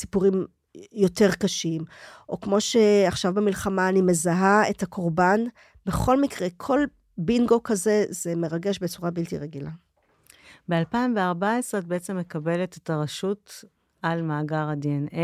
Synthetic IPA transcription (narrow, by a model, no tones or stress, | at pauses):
sipuʁim | jo̞te̞ʁkaʃimʔo̞kmo̞ʃe̞aχʃavbemilχamaːnime̞zaɦaethakʰo̞ʁban | be̞χo̞lmikʁe̞kʰo̞l | binɡo̞kaze̞ze̞me̞ʁaɡeʃbet͡suʁabiltḭʁeɡila | be̞alpaimveaʁbaesʁet̪̚beet͡se̞mːe̞kabe̞let̪ataʁaʃut | almaːɡaʁadeene